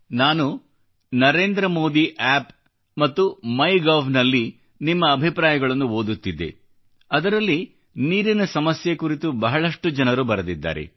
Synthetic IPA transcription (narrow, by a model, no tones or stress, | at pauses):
naːnu | nɐɾe̞ːnd̪ɾɐmo̞ːd̪iʔaːp | mɐt̪ːumɐjɡaːʋnɐlːi | nimːɐːbʱipɾaːjɐɡɐɭɐnːuɦoːd̪ut̪ːid̪ːḛ | ɐd̪ɐɾɐlːi | niːɾinɐsɐmɐsjekuɾit̪ubɐɦɐɭɐʂʈud͡ʒɐnɐɾubɐɾɐd̪id̪ːa̰ːɾḛ